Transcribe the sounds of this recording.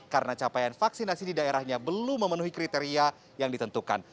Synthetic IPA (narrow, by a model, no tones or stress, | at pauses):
kaɾənat͡ʃapajanfaksinasididaeɾahɲabəlʊmːəmənuɦikɾit̪eɾia | jaŋdit̪ənt̪uka̰n